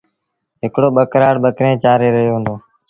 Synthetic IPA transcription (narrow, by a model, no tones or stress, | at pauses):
ɦɪkɽoːɓəkɾaːɽɓəkɾẽːt͡ʃaːɾeːɾəɦjoːɦə̃nd̪oː